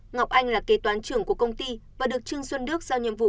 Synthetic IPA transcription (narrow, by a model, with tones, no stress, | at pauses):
ŋa˨˩wk͡p̚ʔa˧jŋ̟laː˨˩ke˨˦t̪waː˨˦nt͡ɕɨ˧˩əŋku˧˩əkə˧wŋ͡mt̪i˧vaː˨˩ɗɨ˨˩ək̚t͡ɕɨ˧əŋswə˧nɗɨ˦˥ək̚z̥aː˧wɲḭ˧˨əmvṵ˧˨